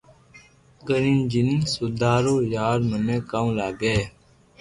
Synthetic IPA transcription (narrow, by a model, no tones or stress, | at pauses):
ɡənind͡ʒɪnsʊd̪ʱaːɾoːjaːɾmənẽːkaːũlaːɡeː